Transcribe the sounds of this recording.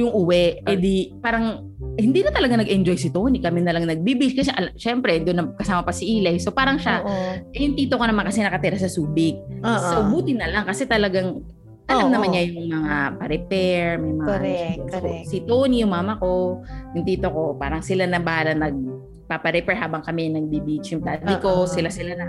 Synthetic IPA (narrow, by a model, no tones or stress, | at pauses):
jʊŋʔuwɛʔɛd̪ipaːɾɐŋ | hɪnd̪iːnɐt̪ɐlɐɡaŋnɐɡʔɛnd͡ʒojsɪt̪oːnikɐmɪnɐlɐŋnɐɡ̚bibɪɪskɐs̬ɛʔɐlʃɛmpɾɛd̪ʊnːɐkɐsaːmɐpɐsɪʔiːlɐjsopaːɾɐŋʃaʔɛjʊŋt̪iːt̪okonɐmankɐsɛnɐkɐt̪ɪɾasɐsuːbɪk̚oɐʔʊbuːt̪ɪnːɐlaŋkɐsɛt̪ɐlɐɡaŋ | ʔ̪ɐlamnɐmanɲajʊŋmɐŋapɐɾɛpɛɹmɐjmɐŋɛosɪt̪oːnijʊŋmaːmɐko̞jʊŋt̪iːt̪oko̞pa̰ːɾɐŋsɪlanɐbaalɐnɐɡ̚ | papɐɾɛpɛɹɦaːbɐŋkɐmɛŋnɐɡ̚bibit͡ʃjʊŋp̪aːd̪ɪkosɪlasɪlanɐ